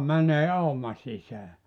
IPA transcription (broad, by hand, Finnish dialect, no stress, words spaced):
mæneː ɑumɑ sisæː